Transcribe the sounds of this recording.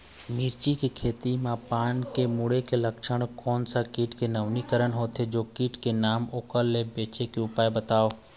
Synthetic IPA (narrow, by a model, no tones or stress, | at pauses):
miːɾt͡ʃikekʰeːt̪imãpaːnkemʊɽekeləkʃəɽ̃kɔːnsakiːʈkenəʋnikəɾəɳɦoːt̪ʰed͡ʒoːkiːʈkenaːmoːkəlːebeːt͡ʃekeʊpaːebət̪aːoː